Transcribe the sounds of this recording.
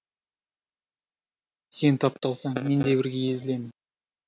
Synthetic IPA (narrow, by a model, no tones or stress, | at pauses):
se̞nt̪ʰɑp̚t̪ɑlˠsɑɴme̞nd̪e̞bɪɾɡʲe̞je̞zɪle̞mɪn